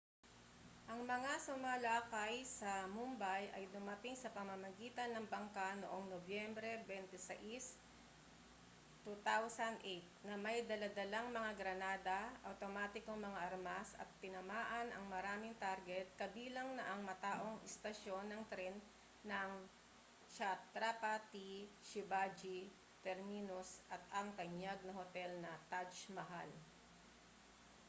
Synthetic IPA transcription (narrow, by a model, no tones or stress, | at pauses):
ʔɐŋmɐŋasʊmaːlaːkɐjsɐmʊmbajʔɐ̰jd̪ʊmɐt̪ɪŋsɐpɐmɐmɐɡiːt̪ɐnːɐŋbɐŋkanoʔoŋnobjɛmbɾɛbɛnt̪ɛsɐ̰ʔis | t̪ːut̪awsɐnd̪ʔejt̪̚nɐmɐjd̪ɐlad̪ɐlaŋmɐŋaɡɾɐnaːd̪ɐʔɐ̰wt̪omaːt̪ɪkoŋmɐŋaʔɐɾmasɐ̰t̪̚pɪnɐmaːʔɐnɐŋmɐɾaːmɪŋt̪aɾɡɛt̪̚kɐbiːlɐŋnɐʔɐŋmɐt̪aːʔo̞ŋʔɪst̪ɐʃo̞nːɐŋt̪ɾɛnː | ɐŋ | ʃat̪ɾapɐt̪iʃɪbad͡ʒi | t̪ɛɾminosʔɐt̪ɐŋt̪ɐɲaɡ̚nɐhot̪ɛlnɐt̪at͡ʃmɐɦal